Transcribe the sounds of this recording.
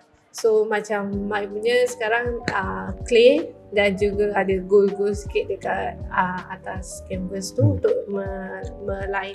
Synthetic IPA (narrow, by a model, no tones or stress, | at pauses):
somat͡ʃamːaipuɲəsə̥kaɾaŋəkle | dand͡ʒuɡaadəɡolɡolsi̥kɪt̪̚dəkat̪̚əma̰t̪askɛmpəst̪uunt̪ʊʔməmə̃laɪ